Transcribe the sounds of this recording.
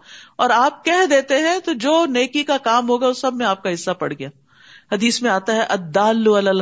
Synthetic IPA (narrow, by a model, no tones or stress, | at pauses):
ɔːɾaːp̚kɛɦd̪eːt̪eɦɛ̃t̪od͡ʒoːneːkikakaːmɦoːɡaʊsːɐbmẽaːp̚kaɦɪsːapɐ̰ɽ̤ɡɪjaː | hɐd̪iːsmẽaːt̪aɦɛʔɐd̪ːaːlːuɐlɐl